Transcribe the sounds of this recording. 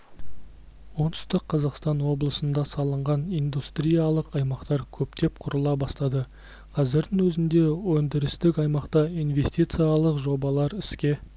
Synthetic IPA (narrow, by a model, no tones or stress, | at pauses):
wo̞nt̪ʰʏ̥st̪əqʰːɑzɑqst̪ɑnwo̞blˠəsənd̪ɑsɑlˠəɴʁɑnijnd̪ust̪ɾʲijalˠəqɑjmɑqt̪ɑɾkʲʰɵp̚t̪e̞p̚qʰʊɾəlˠɑbɑst̪ɑd̪ə | qʰɑzɪɾd̪ɪŋwɵzɪnd̪e̞wɵnd̪ɪɾɪst̪ɪkʲɑjmɑqt̪ɑijnve̞st̪ijt̪sɨjalˠəqʒo̞bɑlˠɑɾɪskʲe̞